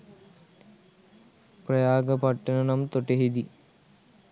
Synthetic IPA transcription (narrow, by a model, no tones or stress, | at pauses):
pɾɐjaːɡɐpɐʈːɐnɐnɐmt̪oʈeɦid̪i